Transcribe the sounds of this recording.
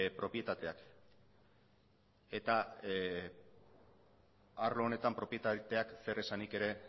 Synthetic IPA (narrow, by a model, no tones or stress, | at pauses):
pɾo̞pje̞t̪at̪e̞ak | e̞t̪a | aɾlo̞ːne̞t̪ampɾo̞pje̞t̪at̪e̞akse̞ɾe̞sanike̞ɾe̞